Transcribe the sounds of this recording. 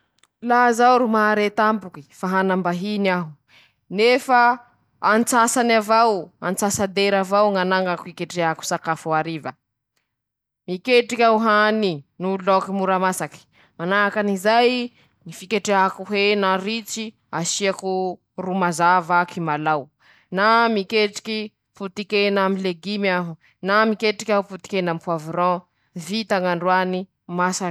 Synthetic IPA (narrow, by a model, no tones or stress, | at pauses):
lazawɾumaɾet̪ambuki̥faɦanambaɦinaɦu | nefa | ant͡sasanavawa̰nt͡sasad̪eɾavawŋanaŋɡakuikeʈ͡ʂeaku̥sakafuaɾivə | mikeʈ͡ʂikʲauɦaninulɔkimuɾamasaki̥ | manaɦakanizaj | nifikeʈ͡ʂeakuɦenarit͡si | aʃiaku | rumazavakimalaw | namikeʈ͡ʂi̥ki | put̪ikenamileɡimaɦu | namikeʈ͡ʂikʲauput̪i̥kenampuavuɾɔ̃ | vit̪aŋaɳɖ͡ʐwani | masḁ